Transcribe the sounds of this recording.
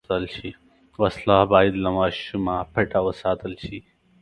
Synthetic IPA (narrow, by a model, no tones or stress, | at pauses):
ɐlɕʰi | wɐslaːbaːid̪lɐmaːɕumaːpʰɐʈawɐsaːt̪ɐlɕʰi